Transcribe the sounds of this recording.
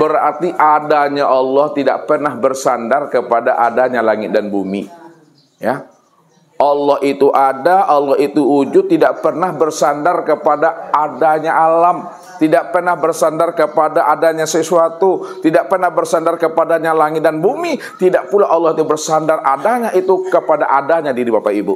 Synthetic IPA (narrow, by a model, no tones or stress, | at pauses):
bəɾart̪iʔadaɲaʔɑlːɔht̪ida̰ʔpərnahbərsandarkəpada̰ʔadaɲalaŋɪt̪̚danbṵmḭ | ja | ʔɑlːɔhit̪uʔadaʔɔlːɔhit̪uud͡ʒʊt̪̚ːidaʔpərnahbərsandarkəpadaːdaɲaʔalam | t̪idaʔpərnahbərsandarkəpadaʔadaɲasəsuat̪ut̪idaʔpərnahbərsandarkəpadaɲalaŋɪt̪̚danbumi | t̪idaʔpulaʔɑlːɔhit̪ubərsandaradaɲaʔit̪ukəpadaʔadaɲadiɾibapaibṵ